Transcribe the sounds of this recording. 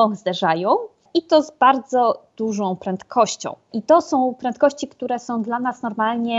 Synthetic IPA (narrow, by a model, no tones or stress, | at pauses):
ɔ̃zd̪ɛʐajɔ̃w̃ | it̪ɔzbaɾd̪zɔd̪̥uʐɔ̃w̃pɾɛnt̪kʰɔɕt͡ɕɔ̰̃w̃ʔit̪ɔsɔ̃w̃pɾɛnt̪̚kɔɕt͡ɕikt̪uɾɛsɔ̃w̃d̪lanasnɔɾmalɲɛ